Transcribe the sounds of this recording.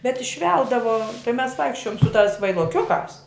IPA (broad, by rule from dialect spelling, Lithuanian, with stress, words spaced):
bʲɛt ɪʃʲˈʋʲɛlˠdɐʋoː tɐɪ mʲɛs ˈʋɐɪkʃʲt͡ʃʲoːjoːm sʊ tɑːs ʋɐɪlˠoːˈkʲʊkɑːs